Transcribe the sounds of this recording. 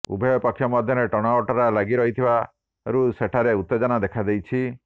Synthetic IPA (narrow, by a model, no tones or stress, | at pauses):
ṵbʱɔjɔpakʰjɔmɔd̪ʱjɔɾeʈɔɽ̃aɔʈɔɾalaɡiɾɔɦit̪ʰiba | ɾuseʈʰaɾeut̪ːed͡ʒɔnad̪ekʰad̪ejt͡ʃʰi